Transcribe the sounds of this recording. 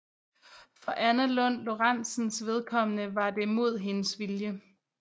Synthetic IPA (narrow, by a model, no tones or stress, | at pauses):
fɒ̽ʔænælɔ̽n̰lo̝ʁɑn̰sn̩sʋe̝ð̞ˠkʰɒ̽mənəʋɑ̈d̥e̝mo̝ð̞̰ˠɦe̝nəsʋiljə